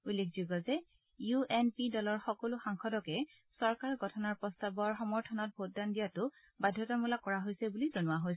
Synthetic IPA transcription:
ulːekʰzuɡɔzɛ | juɛnpidɔlɔɹxɔkɔlʊxaŋkʰɔdɔkɛ | sɔɹkaɹɡʱɔtʰɔnaɹpɔstabɔɹxɔmɔɹtʰɔnɔt̚bʱot̚dandijatʊ | badʱjɔtamulakːɔɹaɦojsɛbulizɔnʊwaɦojs

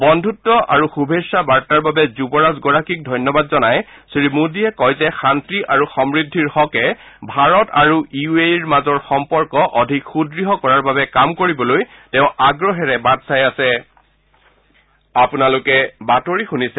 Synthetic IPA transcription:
bɔndʱutːɔʔa̰ɹuxubʱesabaɹtaɹbabɛzubɔɹazɡɔɹakik̚dʱɔjnjɔbadzɔnajsɹimudiɛkɔjzɛxantɹiʔaɹuxɔmɹidʱːiɹxɔkɛ | bʱaɹɔtaɹuiueiɹmazɔɹxɔmpɔɹkɔʔɔdʱikxudɹiɦɔkɔɹaɹbabɛkamkoɹibɔloj | tɛʊ̃aɡɹɔɦɛɹɛbadsajasɛ | apunalʊkɛbatoɹixunisɛ

